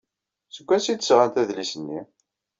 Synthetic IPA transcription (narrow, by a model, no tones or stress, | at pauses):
səɡʷːæsid̪əsʁænt̪æðlisənːi